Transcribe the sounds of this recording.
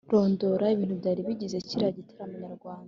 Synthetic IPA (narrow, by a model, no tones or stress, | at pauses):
ɾo̞ːndoɾaiβiːn̥uβɟaːɾiβiɟizeciɾaɟiteɾamuɲaɾɡwaːnnda